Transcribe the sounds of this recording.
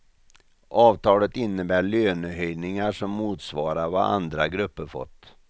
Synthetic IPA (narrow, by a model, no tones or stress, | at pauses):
ʔɑːvt̪ʰɑːlət̪ɪnːəbæːɭøːnəhœjnɪŋaʂɔmːuːt̪svɑːɾaɾva̰ʔand̪ɾaɡɾɵpːəɾfɔ̰t̪ː